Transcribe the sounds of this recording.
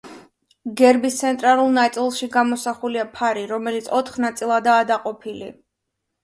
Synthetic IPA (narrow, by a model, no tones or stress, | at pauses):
ɡɛɾbist̪sʰɛnt̪ʼɾalˠulˠnat̪sʼilˠʃiɡamɔsaχuliapʰaɾiɾɔmɛlit̪sʰɔt̪ʰχnat̪sʼilˠad̪aːd̪aqʼɔpʰilḭ